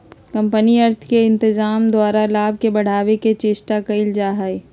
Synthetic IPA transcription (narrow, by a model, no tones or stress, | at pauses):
kɐ̃mpəniɐɾt̪ʰkeɪ̃nt̪ɪzaːmd̪waːɾalaːbʱkebɐɽ̤aːʋeket͡ʃɪʃʈakɐɪld͡ʒaːɦae